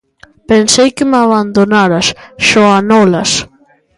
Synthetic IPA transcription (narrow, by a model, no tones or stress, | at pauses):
pensejkɪmaβand̪onaɾɐsʃɔanɔlɐs